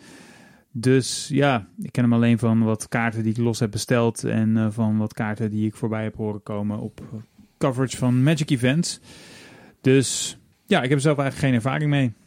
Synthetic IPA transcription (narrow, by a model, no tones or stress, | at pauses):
døsjaːɪkːɛnəmɑlejnvɑnʋɑtkaːɹtədiɪklɔsɦɛb̚bəstɛlˠtɛ̰nvɑnʋɑtkaːɹtədiɪkfoːɹbɛjɦɛpɦoːrəkowmənɔ̰pkʌvəɹət͡ʃfɑnmɛd͡ʒɪkivɛnts | d̥øs | jaːɪkɦɛpəzɛlˠfɛjχələkχejnɛɹva̰ːrɪŋmej